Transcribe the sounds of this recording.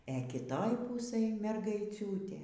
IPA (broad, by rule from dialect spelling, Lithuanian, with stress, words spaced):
ɛ ˈkʲɪtoːj ˈpuːsɘj mʲɛrɡɐɪˈt͡sʲuːtʲeː